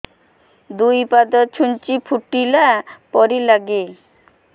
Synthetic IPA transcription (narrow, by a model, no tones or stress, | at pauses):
d̪uipad̪ɔt̪̚t͡ɕʰunt͡ɕipʰuʈːilapɔɾilaɡe